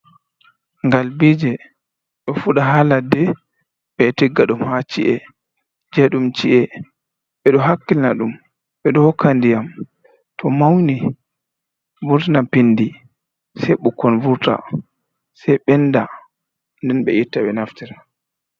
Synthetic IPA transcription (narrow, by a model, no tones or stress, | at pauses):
ŋɡalbid͡ʒɛ | ɗɔfuɗaɦaladɛ | ɓɛtiɡːaɗumhat͡ʃiʔɛ | d͡ʒɛɗumt͡ʃiʔɛ | ɓɛɗɔɦakːilnaɗum | ɓɛɗɔhɔkʰːandijam | tʰɔmawni | vuɾtinapinːdi | sɛɓukːɔnvuɾta̰ | sɛjɓɛnda | ndɛnɓɛ̰ʔitːaɓɛnaftɛɾa